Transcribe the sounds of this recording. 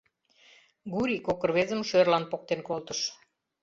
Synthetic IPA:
ɡuɾʲikokə̆rβezəmʃørlɑnpok̚t̪enkolt̪əʃ

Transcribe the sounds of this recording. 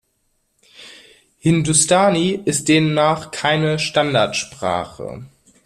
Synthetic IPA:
hɪndustaːniʔɪst̚d̥eːmnːaːχkʰaɪnəʃtandaɐtʃpʁ̥a̰ːχə̰

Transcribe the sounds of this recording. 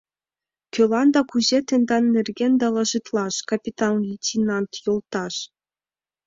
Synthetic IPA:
kʲø̆lˠɑnd̪ɑkuʑet̪ʲɘ̆nd̪ɑnːɘ̆rʲɡʲenʲd̪ɑlˠɑʒɯt̪lˠɑʃkapʲit̪ɑnlʲitʲinɑnt̪jolˠt̪ɑʃ

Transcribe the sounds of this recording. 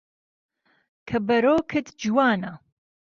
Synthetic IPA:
kʰɐbɐɾoːkʰɨt̪ʰd͡ʒiwaːnɐ

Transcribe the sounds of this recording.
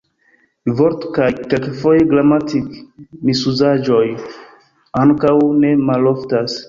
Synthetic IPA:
voɾtkajkekfo̞jeɡlamatikmisuzad͡ʒo̞j | aŋkawne̞malo̞ftas

